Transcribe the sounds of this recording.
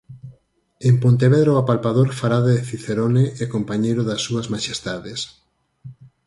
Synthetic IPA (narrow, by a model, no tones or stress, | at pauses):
empont̪̬eβeðɾoapalpaðoɾfaɾaðeeθiθeɾoneʔɛkompaɲejɾʊðɐsːuɐzmaʃest̪aðes